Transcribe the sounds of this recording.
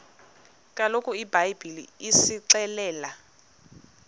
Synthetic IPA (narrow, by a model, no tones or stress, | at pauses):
kʼalokʼuibajbilḭisiǀɛlɛːla